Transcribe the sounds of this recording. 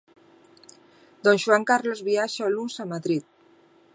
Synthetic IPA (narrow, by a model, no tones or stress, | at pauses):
d̪onʒwaŋkarlozβiaʃaolunsamaðɾit̪̚